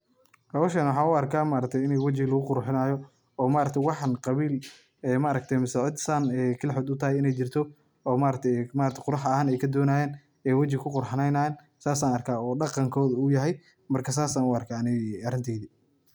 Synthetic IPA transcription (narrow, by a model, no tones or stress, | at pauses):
hɐwɔːʃɛːnwɑħɑːnʊɐrkʰaːmaɾɐk̚t̪ʰɛjɪnɛwɐt͡ʃɪlɐɣʊqʊɾħɪnaːjɔ | ɔːmaːɾɐk̚t̪ʰɛjwɑħɑnqɑβiːl | ɛːmɐːɾɐk̚t̪ʰɛjmɪsɛʕʊd̪saːnɛːkʰɐlħɔd̪ʊt̪ʰɐɦɛjɪnɛjt͡ʃɪrt̪ʰɔ | ɔːmaːɾɐk̚t̪ʰɛjmaːɾɐk̚t̪ʰqʊɾɑħɐhaːnɛjkʰɐd̪ɔːnaːjɛːn | ɛːwɐt͡ʃɪkʰʊqʊrħɑnɛjnaːjːn | saːsaːnɐrkʰaːɔːɖɑqɑŋkʰɔːðʊjɐɦɛj | mɐrkʰɐs̬aːsaːnʊɑrkʰaːnɪɐɾɪnt̪ʰɛːðiː